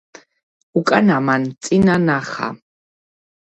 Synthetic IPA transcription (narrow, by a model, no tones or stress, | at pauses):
ukʼanamant͡ssʼinanaχa̰